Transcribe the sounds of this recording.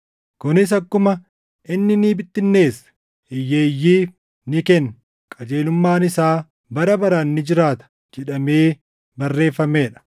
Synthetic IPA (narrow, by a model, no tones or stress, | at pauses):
kʊnɪs̬ɐkːʊmɐ | ʔɪnːɪniːbɪt̪ːɪnːe̞ːs | ɪjːeːjːiː | nɪkɛn | kʼɐd͡ʒe̞ːlʊmːaːnɪsaː | bɐɾɐbɐɾɐnːɪd͡ʒɪɾaːt̪ɐ̥ | d͡ʒɛᶑɐmeː | bɐrːe̞ːfːɐmeːᶑɐ̥